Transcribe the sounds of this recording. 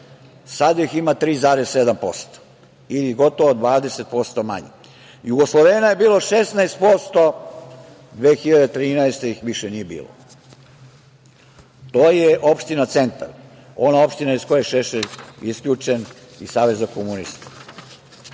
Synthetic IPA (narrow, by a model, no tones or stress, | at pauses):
sad̪jiximat̪ɾiːzaːɾessed̪ampo̞st̪o̥ | iliɡo̞t̪oʋoːd̪ʋaːd̪eset̪̚po̞st̪o̞ma̰ɲi | juɡoslˠoʋeːnaje̞biːlˠoʃesnaest̪̚po̞st̪o̞ | d̪ʋeːxiʎad̪et̪ɾiːnaest̪eixʋiʃenije̞bḭːlˠo̰ | t̪oːjeʔo̞pʃt̪inat̪se̞nt̪a̰ɾ | o̞nao̞pʃt̪inaisko̞jeʃeʃelʲiskʎʲuːt͡ʃen | isaːʋe̞zakomunist̪ḁ